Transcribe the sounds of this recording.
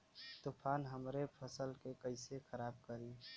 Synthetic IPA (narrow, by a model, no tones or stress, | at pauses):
t̪ʊpʰaːnɦəmɾepʰəsəlkekəɪsekʰəɾaːb̚kəɾiː